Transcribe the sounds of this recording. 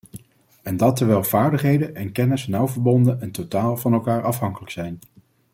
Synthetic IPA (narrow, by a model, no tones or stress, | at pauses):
ɛndɑtəɹʋɛlˠv̥aːɹdəχɦejdənʔɛnkɛnəsnʌwvəɹbɔndənɛntotaːlˠvɑnɛlˠkaːɹɑfɦɑŋkələksɛjn